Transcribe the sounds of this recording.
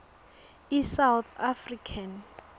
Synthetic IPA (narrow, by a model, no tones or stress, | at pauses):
isawt̪afrikʰan